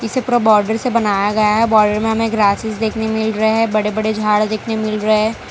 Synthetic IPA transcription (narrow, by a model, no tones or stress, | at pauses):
ɪsepɾobɔːɾɖəɾsebɐnaːjaɡɐjaɦɛbɔːɾɖəɾmẽɦɐmẽɡɾaːsɪsd̪eːkʰnemɪlɾɐeɦɛbɐɽebɐɽed͡ʒʱaːɽd̪eːkʰnemɪlɾɐɦeɦɛ̃ː